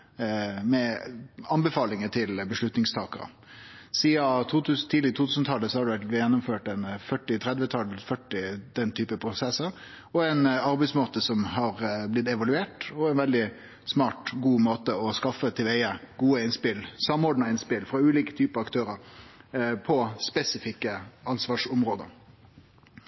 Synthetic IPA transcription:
mɛɑnbɛfɑːlɪŋət̪ʰɪlbəʂlʉt̪nɪŋst̪ʰɑːkəɾə̰ | siːɑt̪ʰuːt̪ʰʉst̪ʰiːlɪɡət̪ʰuːt̪ʰʉsn̩t̪ʰɑlːəsɔhɑɖɛʋæjɛnːʊmføːʈɛnfœʈːɪt̪ʰɾɛd̪ʋət̪ʰɑlfœʈːɪd̪̥ɛnt̪ʰyːpəpʰɾʊsɛsəɾ | ɔɛnɑɾbɛɪsmoːt̪əsɔmɦɑɾblɪt̪ɛʋɑlʉeːʈɔɛɪnʋɛld̪ɪ | smɑːʈɡuːmoːt̪əɔskɑfːət̪ʰɛʋeɪəɡuːəɪnspɪlsɑmːɔːɖɳɪnspɪlfɾɑʉːliːkə̥t̪ʰyːpəɑkt̪ʰøːɾəɾ | pʰɔspɛsɪfɪkːəɑnsʋɑːʂʊmɾoːd̪ə̰ɾ

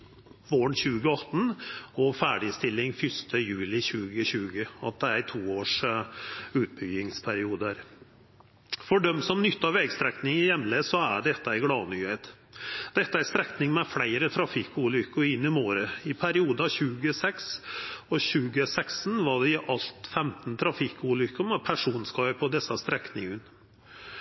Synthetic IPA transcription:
ʋoːɳçʉːɡəɑt̪ːn̩ɔfæːɖɪst̪ɪlːɪŋfʏst̪ʰəjʉːlɪçʉːɡəɕʉːɡəɑ̰t̪̚d̪ɛæɾt̪ʰuːoːʂ | ʉːt̪̚bʏɡɪŋspʰæɾɪuːd̪əæɾ | fɔɖœmsɔmnʏt̪ːɑʋɛɡst̪ɾɛknɪŋɪjɛmːleːsɔæɖɛt̪ːəæɪɡlɑːnyːheːt̪ | d̪̥ɛt̪ːəæɾst̪ɾɛknɪŋmɛflæɪɾət̪ʰɾɑfɪkːuːlʏkːəɾɪnːɪmoːɾəɪpʰæɾɪuːd̪əɑɕʉːɡəsɛksɔɕʉːɡəsɛksnʋɑɖɛɪʔɑlt̪fɛmt̪n̩t̪ʰɾɑfɪkːuːlʏkːəmɛpʰæʂuːnskɑːəpʰɔd̪ɛsːəst̪ɾɛknɪŋən

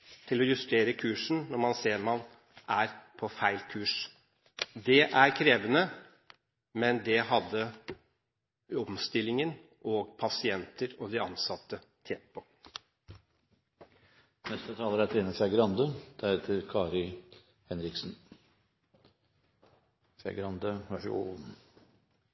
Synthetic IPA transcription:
t̪ʰɪlɔjʉst̪eːɾəkʰʉːʂn̩nɔɾmɑnseːɾmɑn | ʔæɾpʰɔfæɪlkʰʉːʂ | d̪ɛʔæɾkʰɾeːʋənə | mɛnd̪ɛɦɑd̪ːə | ɔmst̪ɪlːɪŋən | ʔoːɡpʰɑsɪɛnt̪əɾɔd̪ɪɑnsɑt̪ːə | t̪ʰɛpɔ | nɛst̪ət̪ʰɑːləɾæɾt̪ʰɾeːnəfæɡɾɑnd̪ød̪̥ɛɾheːt̪ʰəɾkʰɑːɾɪ | hɛnɾɪksn̩ | fjæ̰ɡɾɑnd̪øʋɑʂṵːn

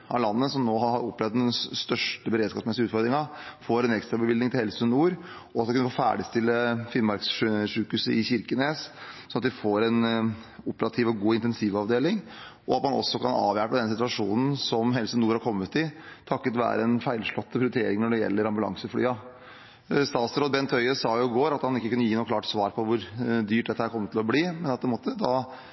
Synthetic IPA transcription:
ɑlɑnːəsɔmnoːɦɑɾhɑɾɔpːlɛʋd̪d̪ɛnst̪œʂʈəbəɾeːd̪skɑːpsmɛsɪʉːt̪fɔɾd̪ɾɪŋɑfoːɾɛnɛkst̪ɾɑbəʋɪld̪ɪŋt̪ɪhɛlsənuːɾ | ɔɑt̪d̪ɪkʉnəfoːfæ̰ːɖɪst̪ɪlːəfɪnmɑɾksʂʉːkʉsəɪçɪɾkənessɔnɑt̪d̪ɪfoːɾɛnʊpəɾɑt̪ʰiːʋɔɡuːɪnt̪ɛnsiːʋɑʋd̪eːlɪŋʔɔɑt̪mɑnɔ̰sːɔkʰɑnɑ̰ːʋjæpəd̪ɛnːəsɪt̪ʋɑʂuːnn̩sɔmɦɛlsənuːɾhɑɾkʰɔmːət̪ɪt̪ʰɑkːət̪ʋæ̰ːɾəɛnfæɪlʂɭɔt̪ːpʰɾɪʊɾɪt̪ʰeːɾɪŋnɔɖɛjɛ̰lːəɾɑmbʉlɑ̰ŋsəfɽy̰ːɑ | st̪ɑːt̪sɾoːd̪bɛnt̪ʰœʏəsɑːjʊɪɡoːɾɑt̪hɑnɪkːəkʉnːəjiːnuːklɑːʈsʋɑːɾpʰɔʋʊɾd̪yːʈ̚d̪ɛt̪ːəæɾkʰɔmːət̪ʰːɪlɔbliːmɛnɑt̪̚pʰɛnmoːt̪ːəd̪ɑ

